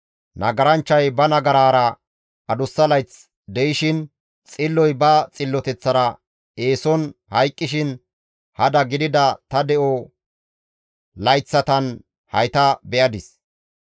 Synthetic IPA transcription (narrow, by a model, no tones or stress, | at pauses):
nɐ̰ɡɐɾɐnt͡ʃːɐjbɐnɐɡɐɾaːɾɐ | ɐd̪ʊsːɐlɐjt͡s | d̪ɛjɪʃɪn | t͡sʼɪlːɔjbɐt͡sʼɪlːɔt̪ɛt͡sːɐɾɐ | e̞ːsɔnhɐjkʼːɪʃɪn | hɐd̪ɐɡɪd̪ɪd̪ɐt̪ɐd̪ɛʔɔ | lɐjt͡sːɐt̪ɐn | hɐ̰jt̪ɐbɛʔɐd̪ɪs